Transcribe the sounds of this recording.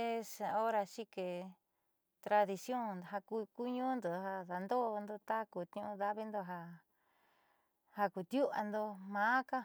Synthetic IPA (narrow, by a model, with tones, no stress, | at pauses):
e˦sa˧o˦ɾa˧ʃi˦ke˨ | t̪ɾa˧ði˧sjõ˦˨n˨ɦa˧ku˧ku˦ɲũ˦nd̪o˨˧ɦa˧ða˨nd̪o˦˧nd̪o˧t̪a˦ku˧t̪ĩ˧ũ˧ða˦βi˦nd̪o˧ɦa˧ | ha˧ku˨t̪ju˦ʔa̰˧nd̪o˧mãː˨˦ka˦